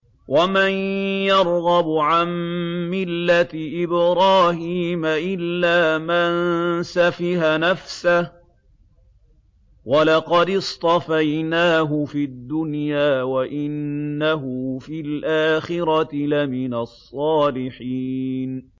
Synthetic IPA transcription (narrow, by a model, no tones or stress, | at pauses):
wamanjɑɾˤɣɑbʕamːɪlːat̪ɪʔɪbɾɑːhiːmaʔɪlːaːmansafɪhanafsah | walɑqɑd̪ɪst̪ˤɑfajnaːɦʊfiad̪ːʊnjaːwaʔɪnːaɦʊfilʔaːxɪɾɑt̪lamɪnasˤːɑːlɪħin